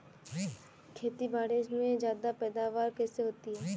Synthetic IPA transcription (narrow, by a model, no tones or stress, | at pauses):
kʰeːt̪ibaːɽɪʃmẽd͡ʒjaːd̪apɛːd̪aːʋaːɾkɛːseɦoːt̪iɦɛː